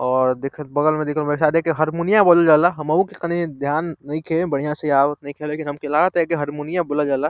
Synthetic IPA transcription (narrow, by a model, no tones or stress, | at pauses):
ɔːɾd̪ekʰəbəɡəlmẽd̪ekʰəlmeksad̪ekeɦəɾmunijaboləld͡ʒalaɦəməukekənid̪ʱjanːəĩkʰebəɽ̤ijãseawət̪nəĩkʰelːekinɦəmkelaɾat̪ekeɦəɾmunijaboləld͡ʒala